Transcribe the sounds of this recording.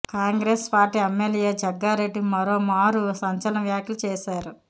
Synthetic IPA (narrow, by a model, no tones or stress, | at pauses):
kaːŋɡɾeːspaːɾʈiːemːeljeːd͡ʒɐɡːaːɾeɖːimɐɾoːmaːɾusɐɲt͡ʃɐlɐɳɐʋjaːkʰjilut͡ʃɛːʃaːɾu